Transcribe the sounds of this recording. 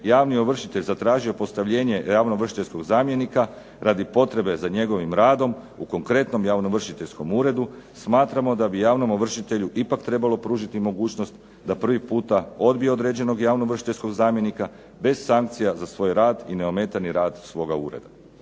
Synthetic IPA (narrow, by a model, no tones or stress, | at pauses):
jaːʋnio̞ʋr̩ʃit̪e̞ʎʲzat̪ɾaːʒio̞po̞st̪aʋʎe̞ːɲe̞jaːʋno̞ʋr̩ʃi̥t̪esko̞ɡzaːmje̞nika | ɾad̪ipo̞t̪ɾe̞be̞zaɲe̞ɡo̞ʋimɾaːd̪o̞m | uko̞ŋkɾe̞t̪no̞mjaʋno̞ʋr̩ʃit̪e̞ʎʲsko̞muːɾe̞d̪usmaːt̪ɾamo̞d̪abijaːʋno̞moʋr̩ʃit̪e̞ʎuʔipakt̪ɾe̞balo̞pɾuːʒit̪imo̞ɡuːt͡ɕno̞st̪ | d̪apr̩ʋipuːt̪ao̞d̪bijeo̞d̪ɾe̞d͡ʑe̞no̞ɡjaːʋnoʋr̩ʃit̪e̞ʎʲsko̞ɡzaːmje̞nika | be̞zsaŋk̚t̪sijazasʋo̞jɾaːd̪ine̞o̞me̞ːt̪aniɾaːd̪sʋo̞ːɡaṵːɾe̞̰d̪a